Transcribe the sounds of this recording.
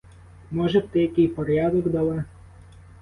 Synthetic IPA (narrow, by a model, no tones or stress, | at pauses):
mɔʒɛpt̪ɛjɐkɪjpɔɾʲjad̪ɔɡd̪ɐlˠɛ